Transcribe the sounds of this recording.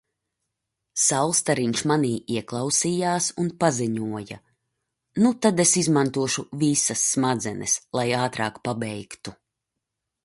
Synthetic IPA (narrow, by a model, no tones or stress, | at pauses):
sawlˠst̪aɾiɲʃmaniːʔiɛklˠɑwsijaːsunpaziɲuɔja̰ | nut̪ad̪esizmant̪uɔʃuvisɐsːmad̪zɛnʔɛ̰slˠajaːt̪ɾaːkpabɛjkt̪u